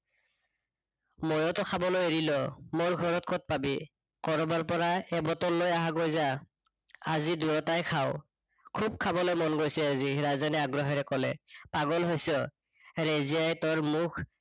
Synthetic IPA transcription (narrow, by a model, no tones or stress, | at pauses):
mɔjɔtɔkʰabɔlojeɹilɔmoɹɡʱɔɹɔt̚kʰɔt̚pabi | kɔɹɔbaɹpɔɹaɛbɔtɔlːojaɦaɡojza | aziduɹɔtajkʰaʊw | kʰub̚kʰabɔlojmɔnɡojsɛaziɹazanɛaɡɹɔɦɛɹɛkɔlɛpaɡɔlɦojsɔ | ɹezijajtɔɹmukʰ